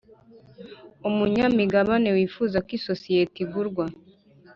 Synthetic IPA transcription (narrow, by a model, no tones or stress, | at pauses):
umuɲamiɡaβane̞wiːfuːzakwisosijetiɡuɾɡwa